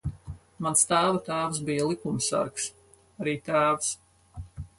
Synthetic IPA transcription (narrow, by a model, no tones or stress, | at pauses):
manst̪aːvat̪aːvs̬bijalˠikumsa̰ɾks | aɾiːt̪aːvs